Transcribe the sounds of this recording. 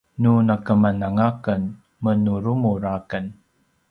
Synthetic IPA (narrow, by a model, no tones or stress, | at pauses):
nunakəmanaŋakən | mənuɾumuɾakən